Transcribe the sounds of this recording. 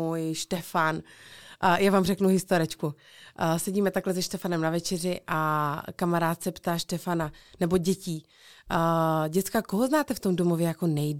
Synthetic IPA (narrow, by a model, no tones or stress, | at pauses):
ujʃt̪ɛfan | jaːvaːmrɛknuɦɪst̪oɾɪt͡ʃku | sɛɟiːmɛt̪aklɛzɛʃt̪ɛfanɛmnavɛt͡ʃɛr̝ɪʔakamaɾaːt̪sɛpt̪aːʃt̪ɛfananɛbo̞ɟɛciː | ɟɛt͡skako̞ɦoznaːt̪ɛft̪o̞mdomovjɛjako̞nɛj